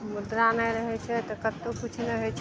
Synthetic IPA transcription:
mud̪ɾanəɾəɦɛt͡ʃʰɛt̪ɔkət̪ːokut͡ʃʰnɛɦot͡ʃʰ

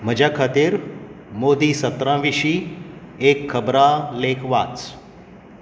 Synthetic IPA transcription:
məd͡ʒakʰat̪iɾ | moːd̪isət̪ɾãːʋiʃi | eːkʰːəbɾaleːkʰʋaːt͡s

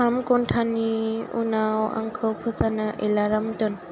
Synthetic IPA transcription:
amkonʈʰaniṵnawa̰ŋkʰəpʰɔzanaʔelaɾamt̪ɔn

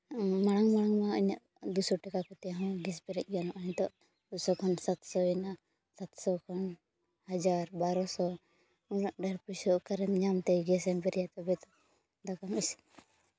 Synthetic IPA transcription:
maɽ̃aŋmaɽaŋmaəɲaʔ | d̪usɔʈɛkakɔt̪ɛɦɔ̃ɡɛs̬bɛɾɛc̚ˀɡanɔʔəɲt̪ɔʔ | d̪usɔkʰɔnsat̪sɔina | sat̪sɔkʰɔn | had͡ʒaɾbaɾɔsɔ | unaʔɖaɾpusɔʔkaɾɛnɲamt̪ɛɡɛsɛmbɛɾjat̪ɔbɛt̪ɔ | d̪akamis

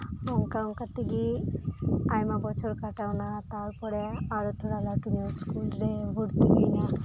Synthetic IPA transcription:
bɔŋkaŋkat̪iɡi | ajmabɔt͡ʃʰɔɾkaʈawnat̪aɾpɔɽeaɾut̪ʰoɽalakinɔskulɾebʱuɽt̪iɡajna

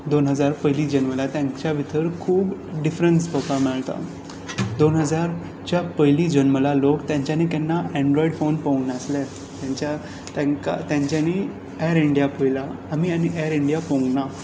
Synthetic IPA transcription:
d̪onɦəd͡zaɾpəjlid͡ʑənməlat̪jãŋt͡ɕjabʱit̪ʰəɾkʰuːbɖifɾənspɔkamɛɭt̪a̰ | d̪onɦəd͡zaɾ | t͡ɕjapəjliːd͡ʑənməlalokt̪jãɲt͡ɕjanik̪ɛnːaɛ̃ɳɖɾɔiɖfonpõwɡnəsle | t̪jãɲt͡ɕa | t̪ãŋka̰t̪jãɲt͡ɕjani | ɛɾiɳɖijapəjlaːmianiʔɛɾiɳɖijapõŋɡna

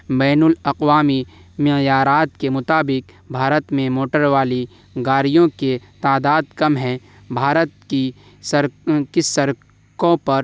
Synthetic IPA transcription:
bɛːnʊlɐqwaːmi | mɪjaːɾaːt̪kemʊt̪aːbɪk | bʱaːɾət̪mẽmoːʈəɾwaːli | ɡaːɾijõket̪aːd̪aːd̪̚kɐmɦɛ̃ | bʱaːɾət̪ki | səɾkɪsəɾ | kõpɐɾ

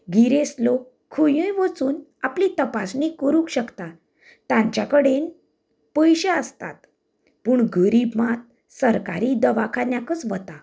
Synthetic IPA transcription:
ɡiɾeslo | kʰujə̃jʋət͡suːnaplit̪əpasnikəɾũkɕəkt̪a | t̪ãɲt͡ɕjakəɽen | pəjɕeəst̪a̰t̪ | puːɳɡəɾibmat̪̚ | səɾkaɾiːd̪əʋakʰanjakət͡sʋət̪a

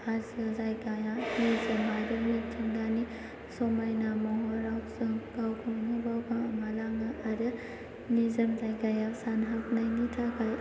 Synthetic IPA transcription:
azɯzajɡajanizɯmbaɾɯnitʰɯŋɡani | sɔmajnamɔɦɔɾawsɯŋɡawkʰɔŋnɯbawkʰaŋmalaŋaʔaɾɯ | nizɯmzajɡajasanɦaknajnitʰakʰaj

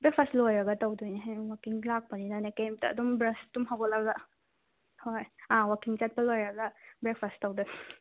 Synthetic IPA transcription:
bɾek̚pʰastlojɾɐɡɐtawdujneɦwakiŋlak̚pɐninanekejmtɐ̰ːdumbɾɐstumɦawɡɐlaɡla | hojawakiŋt͡ʃat̚pɐlojɾɐɡɐbɾek̚pʰasttɐwduj

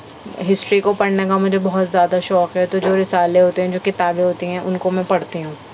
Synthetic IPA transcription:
ɦɪsʈɾikopɐɽnekamʊd͡ʒʱebɔɦʊt̪zjaːd̪aʃɔːkɦɛt̪od͡ʒoːɾɪsaːleɦoːt̪eɦɛ̃d͡ʒoːkɪt̪aːbẽɦoːt̪iɦɛ̃ʔʊnkomɛ̃pɐɽt̪iɦũː

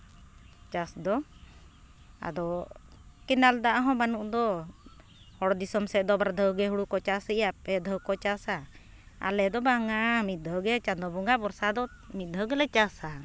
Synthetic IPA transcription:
t͡ʃasd̪ɔ | a̰d̪ɔ | kɛnald̪aʔaɦɔ̃banuʔd̪ɔ | hɔɽd̪isɔmsɛd̪ɔbaɾd̪ʱəwɡɛɦuɽukɔt͡ʃasiijapɛd̪ʱəwkɔt͡ʃasa | a̰lɛd̪ɔbaŋamit̪̚ˀd̪ʱəwɡɛt͡ʃad̪ɔbɔŋɡabɔɾsad̪ɔ | mit̪̚ˀd̪ʱəɡɛlɛt͡ʃasa

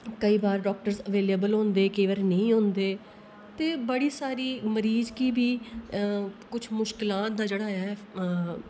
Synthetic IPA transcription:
kəiːbaːɾɖɔːk̚ʈəɾzəʋeːleːbəlɦõːnd̪eːkeːʋəɾnəĩːɦõːnd̪eː | t̪eːbəɽiːsaːɾiːməɾiːzkiːbiː | kʊt͡ʃʰmʊʃkɪlaːt̪̚d̪aːd͡ʒeːɽaːɦɛ

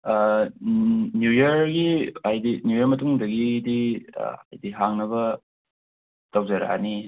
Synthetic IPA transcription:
njujɐɾɡiajdinjujɐɾmɐtuŋdɐɡidḭa̰jdiɦaŋnɐbɐ | tɐwd͡ʒɐɾa̰ni

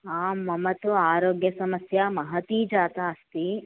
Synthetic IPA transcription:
aːmːɐmɐt̪uaːɾoːɡjɐsɐmɐsjɐmɐɦɐt̪iːd͡ʒaːt̪aɐst̪i

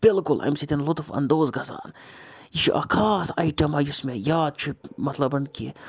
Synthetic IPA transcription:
b̥ɪlkʊlʔɐ̰jmsit̪inlʊt̪fɐ̰nd̪oːzɡɐza̰ːnjiʃʰḭʔɐ̰kʰaːsɐjʈɐmajusmejaːd̪̚t͡ʃʰumɐt̪lɐbɐnkḭ

